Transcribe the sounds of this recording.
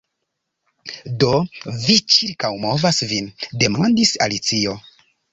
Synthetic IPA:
do̞vit͡ʃiɾkawmo̞vasvinde̞mandisa̰lit͡sio̞

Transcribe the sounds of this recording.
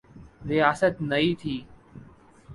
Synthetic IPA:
ɾɪjaːsət̪nəiːt̪ʰiː

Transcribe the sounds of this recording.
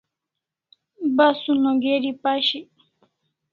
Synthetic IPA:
basʊnoɡeɾipaʃi

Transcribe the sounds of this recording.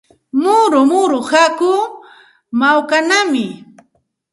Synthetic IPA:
mʊɾʊmʊɾʊhakʊ | mawkanamɪ

